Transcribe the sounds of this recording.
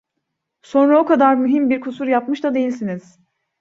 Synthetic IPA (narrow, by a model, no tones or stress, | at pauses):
so̞nɾaokʰad̪aɾmyɦimbiɾkʰusuɾjapmɯʃt̪ad̪e̞jilʲsiniz̥